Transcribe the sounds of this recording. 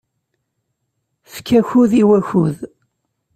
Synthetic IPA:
fkːæçuðiwæçuð

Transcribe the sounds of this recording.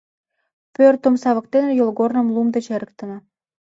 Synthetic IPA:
pørt̪əmsɑβə̆k̚t̪enejolɣornə̆mlumd̪et͡ɕeɾək̚t̪ə̆nə̆

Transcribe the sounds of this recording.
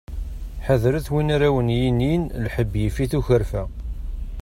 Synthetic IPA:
ħəðɾəθwinaɾæwənjininlħəbːjifiθuçəɾfæ

